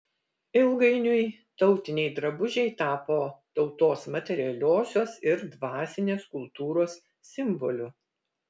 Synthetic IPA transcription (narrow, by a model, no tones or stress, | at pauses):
ɪlˠɡɐɪnʲʊj | t̪ɒʊt̪ʲɪnʲɛɪd̪ɾɐbʊʒʲɛɪt̪ɑːpoːt̪ɒʊt̪oːsmɐt̪ʲɛɾʲɪjɛlʲoːsʲoːsɪɾd̪ʋɑːsʲɪnʲeːskʊlˠt̪uːɾoːsːʲ | ɪmbɔlʲʊ